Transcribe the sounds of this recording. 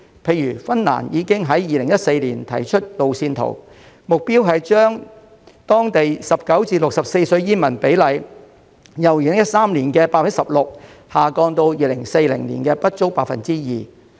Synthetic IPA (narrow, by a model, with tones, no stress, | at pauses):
pʰe˧jɥyː˨˩fɐ˥nla̰ː˨˩njiː˨˧kɪ˥ŋɦɐ˨˥jjiː˨lɪ˨˩ŋjɐ˥t̚se˧jliː˨˩nt̪ʰɐ̰˨˩jt͡ʃʰɵ˥t̚lo˨wsiː˧nt̪ʰo̰˨˩w | mʊ˨k̚piː˥wɦɐ˨jt͡ʃœː˥ŋ | t̪ɔː˥ŋt̪e˨jsɐ˨p̚kɐ˨˥wt͡siː˧lʊ˨k̚sɐ˨p̚se˧jsɵ˧ɥjiː˥mɐ˨˩npe˨˥jlɐ˨˧j | jɐ˨˩wjiː˨˩ɪ˨˩jɐ˥t̚saː˥mliː˨˩nkɛ˧paː˧t̚fɐ˨˩˥sɐ˨p̚lʊ˨k̚ | haː˨˩kɔː˧ŋt̪o˧wjiː˧lɪ˨˩ŋse˧jlɪ˨˩ŋlḭː˨˩nkɛː˧pɐ˥t̚t͡so˥wpaː˧t̚fɐ̰˨nt͡siː˥jiː˨˩